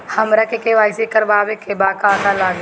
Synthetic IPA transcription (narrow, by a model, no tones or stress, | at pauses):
hɐmɾɐkʰekeʋaːɪsekəɾbaːʋekebaːkaːkalaːɡ